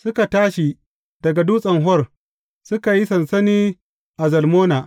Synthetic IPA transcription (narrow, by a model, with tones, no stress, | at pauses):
sʊ˦ka˨taː˦ʃi˨ | d̥ɐ˨ɡa˨duː˦sʼɐ˨ŋɦɔ˦r | sʊ˦ka˨ji˦sɐ˨nsɐ˦niː˦ | ʔa˨zɐ˨lmoː˦naː˨ʔ